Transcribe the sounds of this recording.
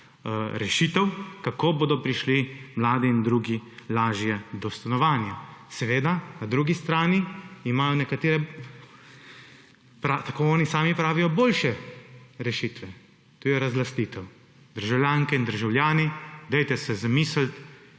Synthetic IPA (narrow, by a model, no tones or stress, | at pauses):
ɾɛʃit̪ɛwkakoːboːd̪ɔpɾiʃlimlaːd̪iːnd̪ɾuːɡilaːʒjɛd̪ɔst̪anɔʋaːnjasɛʋeːd̪anad̪ɾuːɡist̪ɾaːniːmajɔnɛkat̪eːɾɛ | pɾat̪akoɔːnisaːmipɾaːʋijɔboːlʃɛɾɛʃiːt̪ʋɛ | t̪uːjɛɾazlast̪iːt̪ɛw | d̪̥əɾʒawljaːŋkɛind̪əɾʒawljaːnid̪ɛjt̪ɛsɛzamiːslt̪